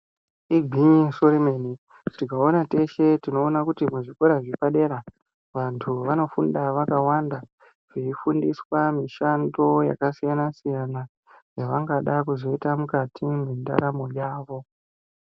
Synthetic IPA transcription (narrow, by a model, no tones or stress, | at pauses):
ibʱiisorimeni | tikao̞nate̞ʃe̞tino̞ːnakutimuʐiko̞ɾaʐipaɗe̞ɾa | ʋantʰuʋano̞fundaʋakawanda | ʐeifundiswamiʃando̞ja̰kasijanasijana | jaʋaŋɡaɗakuzo̞itamukatʰiminda̰ɾamojaːʋo̞